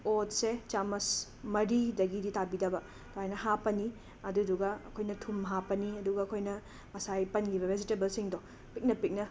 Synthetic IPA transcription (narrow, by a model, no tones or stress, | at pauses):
otset͡ʃamɐs | mɐɾidɐɡiditabidɐbɐ | tohajnɐɦapɐni | ɐduduɡɐɐkʰojnɐtʰumɦapɐniɐduɡɐɐkʰojnɐ | mɐsajpɐnkʰibɐbʱesitebɐlsiŋdo | pik̚nɐpik̚nɐ